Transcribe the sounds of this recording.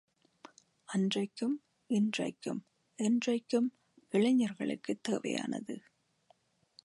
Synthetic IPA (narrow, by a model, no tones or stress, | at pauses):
ɐndrɐɪkːɯm | ɪndrɐ̰ɪkːɯm | ɛndrɐɪkːɯm | ɪɭɐɲːɐɾɣɐɭɯ̰kːɯt̪ːeːʋɐ̰ja̰ːnɐ̰ðɯ̰